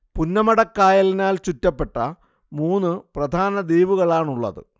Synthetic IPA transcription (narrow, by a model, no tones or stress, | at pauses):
punːɐmɐɽɐkːaːjɐlinaːlt͡ɕutːɐpːe̞ʈːɐ | muːnːɨprɐd̪ʱaːnɐd̪iːʋuɣɐɭaːɳuɭːɐ̰ðɨ̰